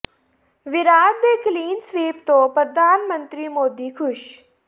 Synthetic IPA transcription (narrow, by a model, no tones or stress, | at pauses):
ʋɪɾaːd̪d̪eːkliːnsʋeːpt̪opɾəd̪ʱaːnmə̃nt̪ɾimoːd̪ikʰʊʃ